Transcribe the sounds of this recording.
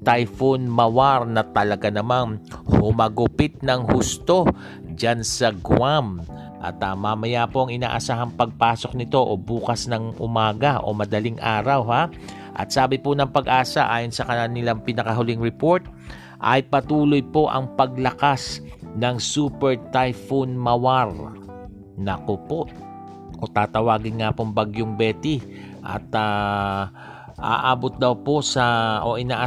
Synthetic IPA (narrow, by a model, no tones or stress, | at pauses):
t̪ajfonmɐwaɾnɐt̪ɐlɐɡanɐmaŋhʊmɐɡʊpɪt̪̚nɐŋhʊst̪o̞ | d͡ʒansɐɡwam | ʔɐ̰t̪ɐmɐmɐjapo̞ɐŋɪna̰ːʔɐsaːɦɐŋpɐɡ̚paːso̞k̚nɪt̪o̞ʔobuːkɐsnɐŋʔʊ̰maːɡɐʔo̰mɐd̪ɐliŋʔaːɾɐwha | ʔɐ̰t̪saːbɪponɐŋpɐɡʔaːsaʔaːjonsɐkɐnanɪlaŋpɪnɐkɐɦʊlɪŋɾɛpo̞ɹt̪̚ | ʔɐjpɐt̪uːlojpo̞ʔɐ̰ŋpɐɡ̚lɐkasnɐŋsuːpɛɹt̪ajfonmɐwaɾ | nɐkopo̞ʔ | ʔot̪aːt̪ɐwaːɡɪnŋapoŋbɐɡjoŋbɛːt̪ɪ | ʔɐ̰t̪a | ʔa̰ːʔaːbot̪̚d̪ɐwpo̞sɐʔo̞ʔɪnaːʔa